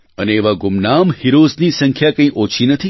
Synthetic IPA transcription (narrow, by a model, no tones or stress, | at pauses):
əneːʋaɡʊmnamhiɾoznisə̃ŋkʰjakə̃ĩʔot͡ʃʰinət̪ʰi